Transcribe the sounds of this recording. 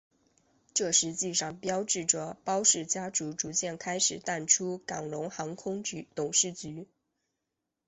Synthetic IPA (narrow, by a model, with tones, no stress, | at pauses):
ʈ͡ʂɤ˥˩ʂɻ̩˧˥t͡ɕi˥˧ʂɑ˥˩ŋpjɑ˥ʊʈ͡ʂɻ̩˥˩ʈ͡ʂə˥˩pɑ˥ʊʂɻ̩˥˩t͡ɕja˥ʈ͡ʂu˧˥ʈ͡ʂu˧˥t͡ɕjɛ˥˩nkʰa˥ɪʂɻ̩˨˩t̪a˥˩nʈ͡ʂʰu˥kɑ˨˩ŋlʊ˧˥ŋxɑ˧˥ŋkʰʊ˥ŋt͡ɕt̪ʊ˨˩ŋʂɻ̩˥˩t͡ɕy˧˥